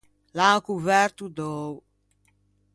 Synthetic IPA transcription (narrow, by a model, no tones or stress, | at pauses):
lakuvɛɾt̪ud̪ɔw